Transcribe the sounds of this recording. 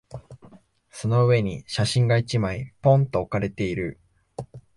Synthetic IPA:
so̞no̞ɯ̟e̞ɲ̟iɕaɕĩŋɡait͡ɕimaipõ̞nt̪o̞ːkaɾe̞t̪e̞iɾɯ̟

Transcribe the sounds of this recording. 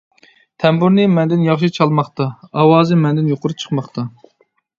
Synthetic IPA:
t̪ʰɛmbuɾnɨmɛnd̪ɪnjɑχʃit͡ʃʰɑlˠmɑχt̪ɑɑwɑːzɨmɛnd̪ɪnjoqʊɾup̚t͡ʃʰə̥qmɑχt̪ʰɑ

